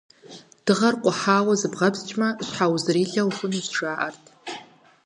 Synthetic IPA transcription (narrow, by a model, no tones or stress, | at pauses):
d̥ɨʁarqʷʼaħaːwazɨbʁabzt͡ʃʼmaɕʷħawzrɾiɮawħʷʊnizʰʂʷaːʔartʰʼ